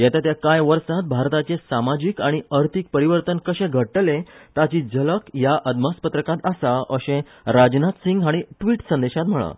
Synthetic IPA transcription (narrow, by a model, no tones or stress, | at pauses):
jɛt̪at̪jakajʋəɾsat̪̚bʱaɾt̪at͡ɕesamad͡ʑikaɽ̃iəɾt̪ʰik̚pəɾiʋəɾt̪ənkəɕɛ̃ɡʱəʈlẽt̪at͡ɕid͡zələkjaʔəd̪maspət̪ɾəkãt̪əsaʔəɕẽ | ɾad͡ʑnat̪siŋɡɦaɽ̃iʈʋiːʈsənd̪eɕat̪m̤əɭa̰